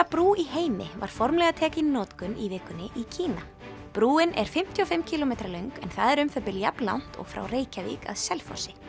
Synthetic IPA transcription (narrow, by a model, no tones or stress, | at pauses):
apɾuːiɦeːjmɪva̰ɾ̥fɔɾmlɛɣat̪ʰɛːcɪnnːɔːt̪kʏnivɪːkːʏnːɪʔicʰiːna | pɾuːɪnɛɾ̥fɪm̥t̪ʰiɔfɪmcʰilɔmejt̪ɾalœɥŋkɛ̰nθaðɛɾʏmfœpɪlja̰pnla̰wn̥t̪ɔ̰ɣfɾa̰wreːjcavḭːka̰ðsɛlfɔ̰̥sɪ